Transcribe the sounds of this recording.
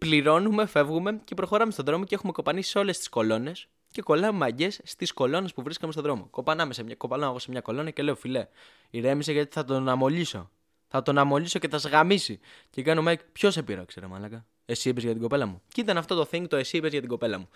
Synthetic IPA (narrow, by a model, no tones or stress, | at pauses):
pliɾo̞numefe̞vɣume̞ce̞pɾo̞xo̞ɾɐmest̪o̞ðɾo̞mo̞cexume̞ko̞pɐnisiseo̞le̞st̪i̥sko̞lo̞ne̞s | ce̞ko̞lɐumɐɟe̞sːt̪isko̞lo̞ne̞spuvɾiskɐmest̪oðɾo̞mo̞̰ko̞pɐnɐme̞semɲɐko̞pɐlɐnɐɣo̞semɲɐko̞lo̞nɐce̞le̞ofile̞ | iɾe̞miseʝɐt̪i̥θɐt̪onɐmo̞ʎiso̞̰ | θɐt̪o̞nɐmo̞ʎiso̞ceθɐzɣɐmisicekɐnomɐjkpço̞sepiɾɐ̰kseɾomɐ̰lɐkɐ | esipezʝɐt̪iɡo̞pelɐmucit̪ɐnɐft̪o̞t̪o̞θiŋɡ̚t̪o̞e̞sipezʝɐt̪iɡo̞pe̞lɐmu